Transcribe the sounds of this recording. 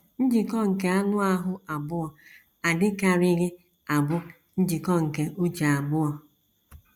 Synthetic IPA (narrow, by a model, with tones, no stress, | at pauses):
n̩˦d͡ʒi˨kɔ˦ŋ̩˨ke˨a˦nʊ˦a˦ɦʊ˦a˨bʊ˦ɔ˨ | a˨dɪ˦ka˨ɾɪ˦ɣɪ˦ | a˨bʊ˦ | n̩˦d͡ʒi˨kɔ˦ŋ̩˨ke˨ʔo˦d͡ʒa˨a˨bʊ˦ɔ˦